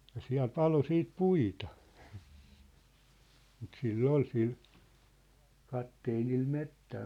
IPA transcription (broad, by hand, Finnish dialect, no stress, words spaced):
jɑ siæ̝l pɑlo siːt puitɑ mut silː ol sil kɑtːeːnil metːæː